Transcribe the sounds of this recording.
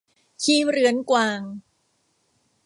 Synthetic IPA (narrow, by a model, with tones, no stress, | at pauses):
kʰiː˧˩ɾɯ˦ənkwaː˧ŋ